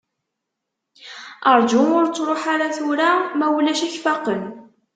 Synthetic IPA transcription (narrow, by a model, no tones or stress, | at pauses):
əɾˤd͡ʒʊmʊɾt͡sːɾˤoħaɾaθʊɾamæwlæʃæçfɑqən